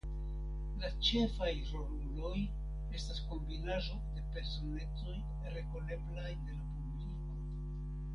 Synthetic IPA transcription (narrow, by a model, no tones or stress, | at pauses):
lat͡ʃe̞fajɾomulo̞j | e̞stasko̞mbinaʒo̞de̞pe̞ɾso̞ne̞t͡so̞j | ɾe̞ko̞le̞blajde̞lapubliko̞